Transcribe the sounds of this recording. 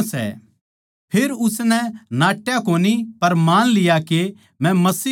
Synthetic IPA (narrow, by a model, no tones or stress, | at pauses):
sɛ̰ | pʰeɾʊsnɛnaːʈjakoːnipɐɾmaːnlɪjake | mɛ̃mɐsiː